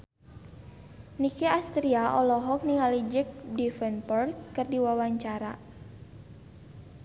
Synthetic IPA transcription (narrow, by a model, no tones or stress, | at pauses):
nikiast̪ɾiaʔɔlɔɦɔk̚niŋalid͡ʒək̚difɛnpɔrkːɨrdiwawaɲt͡ʃaɾa